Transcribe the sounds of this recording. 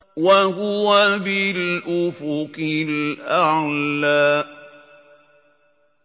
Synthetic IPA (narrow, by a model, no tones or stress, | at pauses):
waɦʊwabɪlʔʊfʊkɪlʔalːaː